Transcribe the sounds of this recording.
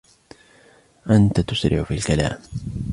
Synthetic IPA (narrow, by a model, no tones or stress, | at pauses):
ʔant̪at̪ʊsɾɪ̰ʕfiːalkala̰ːm